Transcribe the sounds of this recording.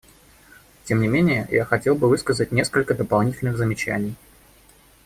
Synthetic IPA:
tʲemnʲɪmʲenʲɪjəja̰xɐtʲe̞lˠbɨvɨskəzət̚ʲnʲe̞skəlʲkəd̪əpɐlˠnʲitʲɪlʲnɨɣzəmʲɪt͡ɕæ̰nʲɪj

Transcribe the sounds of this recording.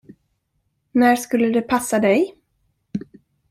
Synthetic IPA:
næʂkɵlːəd̪ɛpʰasːad̪ɛj

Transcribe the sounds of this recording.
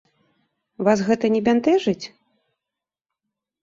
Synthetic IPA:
vasɣɛt̪ɐnʲɛbʲant̪ɛʐɨt͡sʲ

